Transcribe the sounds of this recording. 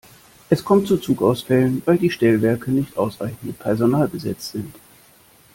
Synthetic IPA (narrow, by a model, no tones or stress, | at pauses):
ʔɛskʰɔmtt͡sut͡suːkaʊsfɛlənvaɪldiːʃtɛlvɛɐkənɪçtʔaʊsʁ̥a̰ɪçn̩əpʰɛɐzonaːlɡəzɛ̰t͡sz̥ɪnt